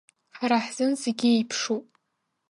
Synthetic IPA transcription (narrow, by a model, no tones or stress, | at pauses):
ħaɾaħz̥ɨnzeɡʲiejpʰʂupʼ